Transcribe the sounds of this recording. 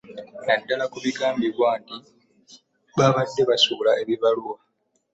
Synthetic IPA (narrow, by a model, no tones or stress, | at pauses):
nadːalakuβiɡaːmbiβwaːnti | βaβadːe̞βasuːlae̞βiβaluwa